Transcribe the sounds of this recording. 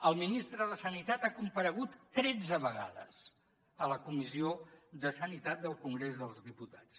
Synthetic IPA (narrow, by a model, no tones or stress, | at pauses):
əlˠminist̪ɾəðəsənit̪at̪akumpəɾəɣ̞ut̪ːɾɛd͡zəβəɣa̰ðə̰s | ələkumizioðəsənit̪at̪̚d̪əlˠkuŋɡɾezðəlˠzðiput̪ḁt͡s